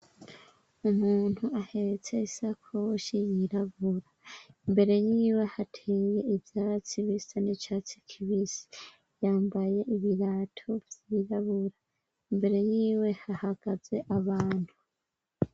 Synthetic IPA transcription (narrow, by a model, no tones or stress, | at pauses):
umuːn̥huahe̞ɾet͡se̞isakʰoʃijiɾaβuɾaimbe̞ɾe̞jiːwe̞hatʰeːje̞ivjaːt͡siβisanet͡ʃat͡si̥kʰiβisi̥ | jaːmbaje̞iβiɾatʰo̞vjiɾaβuɾa | imbe̞ɾe̞jiːwe̞hahaɡ̥aze̞ʔaβaːn̥hu